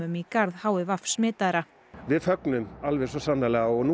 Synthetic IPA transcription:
ʏmikaɾðhaːwɪvafsmɪːt̪aɾa | vɪðfœknʏmalvɛɾsɔsanːalɛɣaɔɣnu

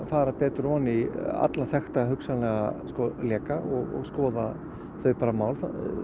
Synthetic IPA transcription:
faːɾapɛːt̪ʏɾɔːnia̰t̪laθɛxt̪aɦʏksanlɛɣaskɔlɛːkaɔɣɔ̰ɣskɔːða | θœɥpaːɾamaːwlθa

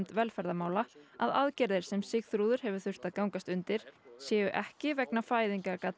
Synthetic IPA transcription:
mt̪vɛlfɛɾðamaːwlaa̰ðaðcɛɾðɪɾ̥sɛmsɪɣθɾuːðʏɾ̥ɦɛvʏ̥θʏr̥t̪aðkaːwŋkast̪ʏnt̪ɪɾ̥sjɛːʏʔɛhcɪvɛknafaːjðiŋkakat̪

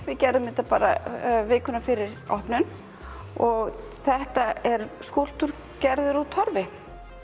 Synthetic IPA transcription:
vɪcɛɾðʏmɪt̪apaːɾa̰vɪːkʏnafɪɾɪɾɔhpnʏn | ɔɣ | θɛht̪aɛɾskowl̥t̪ʏɾ | cɛɾðʏɾat̪ʰɔɾvɪ

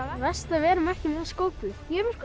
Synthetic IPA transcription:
ðɛst̪avɛːɾʏmɛhcɪmɛðaskoːwpʏjɛɾk

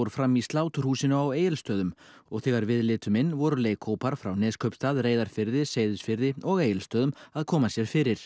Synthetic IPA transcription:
ɾʏfɾamist̪laːwt̪ʏr̥huːsɪnʏaweːjɪlst̪œːðʏmɔɣθɛːɣaɾvɪðlɪːt̪ʏmɪnːvɔɾʏleːjkʰowpaɾ̥fɾawnɪːskʰœɥpst̪aːðreːjðaɾ̥fɪɾðɪseːjðʏsfɪɾðɪɔɣejɪlst̪œːðʏmaðkʰɔːmasjɛɾ̥fɪɾɪɾ̥

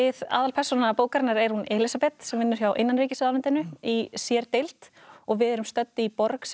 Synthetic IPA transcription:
ɪða̰ːðalpʰɛr̥sɔnapoːwkaɾɪnːaɾɛɾ̥hunɛlɪsapɛt̪sɛmvɪnːʏɾ̥çjawʔḛjnːanɾiːcɪsɪðalɪnt̪ɪnʏisjɛɾt̪ejlt̪ | ɔɣvɪðɛɾʏmst̪œt̪ːɪipɔɾks

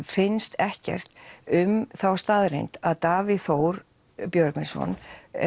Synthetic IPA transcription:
fɪnst̪ɛhcɛ̰r̥t̪ʏmθawst̪aːðɾḛjnt̪aðt̪aːvɪðθoːwɾ | pjœɾkmɪnsɔ̰n̰

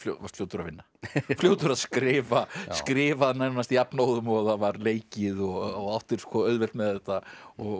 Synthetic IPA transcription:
fljo̰va̰st̪ljowt̪ʏɾaðvɪnːafljoːwt̪ʏɾaðskɾɪːvaskɾɪːvaðnajnast̪iapnoːwðʏmɔɣaðavaɾleːjcɪðɔɣɔɣawht̪ɪɾ̥skʰvɔœɥðvɛlt̪mɛðɛt̪aɔɣ

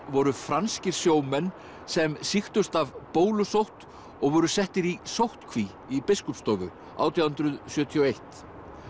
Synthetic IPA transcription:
vɔɾʏfɾanscɪɾ̥sjoːwmɛnː | sɛmsixt̪ʏst̪avpoːwlʏsowht̪ | ɔɣvʏɾʏsɛht̪ɪɾisowht̪kʰvi | ipɪskɔpst̪ɔːɣʏ̰ | a̰ːwt̪ʰijawhʏnt̪ɾʏðsjœːt̪ʰiɔejht̪

